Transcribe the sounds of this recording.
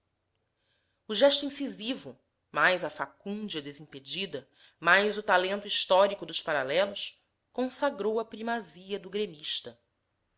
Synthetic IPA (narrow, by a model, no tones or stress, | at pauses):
ʊʒɛʃt̪uĩsizivʊ | majzɐfakũnd͡ʒɐd̪ezĩped͡ʒid̪ɐ | majzʊt̪alẽnt̪uiʃt̪ɔɾikʊd̪ʊʃpaɾalɛlʊs | kõsaɡɾowɐpɾimaziɐd̪ʊɡɾemiʃt̪ɐ